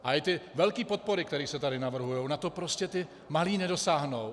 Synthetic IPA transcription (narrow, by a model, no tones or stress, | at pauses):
ʔaɪt̪ɪvɛlkiːpo̞t̪̚po̞ɾɪk̚t̪ɛɾiːsɛt̪adɪnavr̩ɦujownat̪o̞pɾo̞scɛt̪ɪ | maliːnɛdo̞saːɦnow